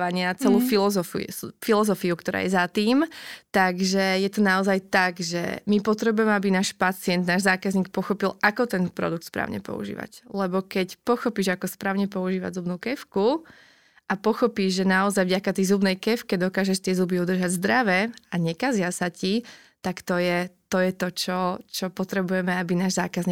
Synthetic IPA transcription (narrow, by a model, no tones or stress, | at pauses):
aɲɪat͡sɛluːfilɔzɔfḭfilɔzɔfiukt̪ɔɾa̰ːjɛzat̪iːmt̪aɡʒɛjɛt̪ɔnaɔzajt̪aɡʒɛ̰mipɔt̪ɾɛbujɛmɛabinaːʃpat͡sɪɛnd̪naːʒzaːkazɲiːk̚pɔxɔpilˠʔakɔt̪ɛnpɾɔ̰d̪uk̚t̪spɾa̰ːʊɲɛ̰pɔ̰ṵʒḭːʋa̰clɛbɔkɛcpɔxɔpiːʒakɔspɾaːʊɲɛpɔuʒiːʋa̰ɟzubnuːkɛfku | ʔapɔxɔpiːʒʒɛnaɔzajvɟakat̪ɛjzubnɛjkɛfkɛd̪ɔkaːʒɛʃt̪ɪɛzubiud̪r̩ʒaɟzd̪ɾaʋɛaɲɛkazɪasaci | t̪akt̪ɔjɛt̪ɔjɛt̪ɔt͡ʃɔt͡ʃɔpɔt̪ɾɛbujɛmɛabinaːʒzaːkazɲiː